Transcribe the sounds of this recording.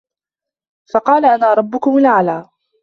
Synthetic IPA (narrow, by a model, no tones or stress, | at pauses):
fɑqɑːlaʔanaːɾˤɑbːʊkʊmʊlʕalaː